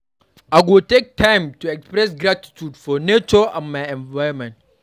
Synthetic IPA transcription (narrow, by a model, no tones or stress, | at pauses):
ʔaɡotek̚tʰãjmtuɛkspɾɛs̬ɡɾati̥tudfɔnet͡ʃɔʔãnmajɛ̃nvajɾɔmɛ̃nt̚